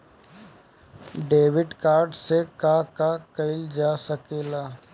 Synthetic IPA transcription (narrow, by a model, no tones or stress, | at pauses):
ɖeːʋɪɖkaːɾɖsekakakɐɪld͡ʒaːsəkeːlaː